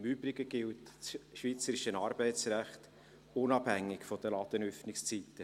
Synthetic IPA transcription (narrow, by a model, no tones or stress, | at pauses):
myːbɾɪɡəɡ̥ɪltsʃʋiːt͡səɾɪʃənɑɾbɛɪtsræχt | ʊnɑphæŋːɪɡfɔd̥̪əlɑd̪̥ənœfnɪkst͡siːt̪ːə